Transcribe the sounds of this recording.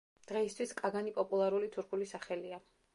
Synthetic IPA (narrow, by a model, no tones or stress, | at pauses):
d̪̥ʁɛist̪ʰwiskʼaɡanipʼɔpʼulˠaɾulit̪ʰuɾkʰulisaχɛlia